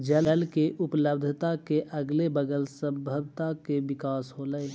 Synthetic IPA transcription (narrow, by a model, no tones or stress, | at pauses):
d͡ʒəllkeʔʊpləbd̪ʱət̪akeʔəɡlebəɡəlsə̃mbʱəbʱt̪akeʋɪkaːsɦoləe